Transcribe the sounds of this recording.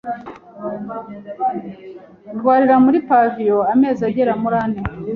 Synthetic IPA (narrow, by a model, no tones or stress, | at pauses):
dɡwaːɾiɾamuɾipavijo̞ame̞ːzaɟeɾamuɾane